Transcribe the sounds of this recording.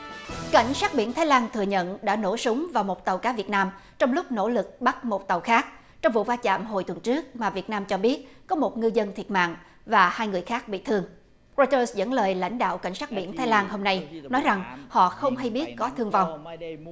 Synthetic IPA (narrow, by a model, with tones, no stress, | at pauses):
ka̰˧˩jŋ̟saː˦˥t̚ɓḭ˧˩ənt̪ʰaː˨˦jlaː˧nt̪ʰɨ˨˩əɲə̰˧˨nɗa̰ː˧˥no̰˧˥sʊ˨˦wŋ͡mvaː˨˩wmo˨˩t̚t̪ə˨˩wkaː˨˦vi˨˩ət̚naː˧m | t͡ɕɔ˧wŋ͡mlʊ˦˥k͡p̚no̰˧˥lɨ˨˩k̚ɓa˦˥t̚mo˨˩t̚t̪ə˨˩wxaː˦˥k̚ | t͡ɕɔ˧wŋ͡mvṵ˧˨vaː˧t͡ɕa̰ː˧˨mɦo˨˩jt̪wnt͡ɕɨ˦˥ək̚maː˨˩vi˨˩ət̚naː˧mt͡ɕɔ˧ɓi˦˥ət̚kɔ˨˦mo˨˩t̚ŋɨ˧zə˧nt̪ʰi˨˩ət̚ma̰ː˧˨ŋ | vaː˨˩haː˧jŋɨ˨˩əjxaː˦˥k̚ɓḭ˧˨t̪ʰɨ˧əŋ | ɹɔ˧jt̪əː˧szə̰˧˥nləː˨˩jla̰˧˥jŋ̟ɗa̰ː˧˨wka̰˧˩jŋ̟saː˦˥t̚ɓḭ˧˩ənt̪ʰaː˨˦jlaː˧nho˧mna˧jnɔ˨˦jza˨˩ŋhɔ̰˧˨xə˧wŋ͡mɦa˧jɓi˦˥ət̚kɔ˨˦t̪ʰɨ˧əŋva˨˩wŋ͡m